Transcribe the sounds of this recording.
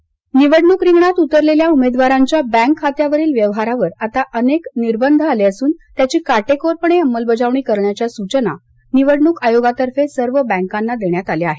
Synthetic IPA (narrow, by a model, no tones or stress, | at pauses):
niʋəɽɳukɾiŋɡɳat̪ut̪əɾleljaumed̪ʋaɾaɲt͡ɕjabɛ̃ŋkʰːat̪jaʋəɾiːlʋjəʋɦaɾaʋəɾat̪aʔənekniɾbənd̪ʱəaleəsuːnt̪jat͡ɕiːkaʈekoɾpəɳeəmːəlbəd͡zaʋɳiːkəɾɳjat͡ɕjasut͡ɕəna | niʋəɽɳukajoɡat̪əɾfesəɾʋəbə̃ŋkanːad̪eɳjat̪aleaɦe